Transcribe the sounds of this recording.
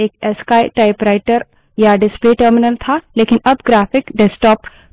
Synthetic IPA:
eːkɛːskaːeʈaːɪpɾaɪʈəɾ | jaɖɪspleʈəɾmɪnəlt̪ʰaleːkɪnɐbɡɾaːpʰɪkɖɛsʈɔːp

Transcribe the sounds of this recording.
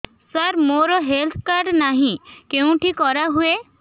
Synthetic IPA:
səɾmoɾɔɦelt̪ʰkaɾɖnaɦĩkeũʈʰikɔɾaɦue

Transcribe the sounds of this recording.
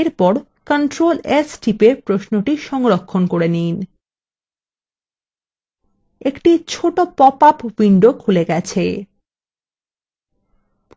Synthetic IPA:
eɾpɔɾ | kəɳʈɾolesʈipepɾoʃnoʈiʃɔŋɾokʰːonkoɾenin | ekʈit͡ɕʰoʈopɔpapwiɳɖokʰuleɡɛt͡ɕʰe

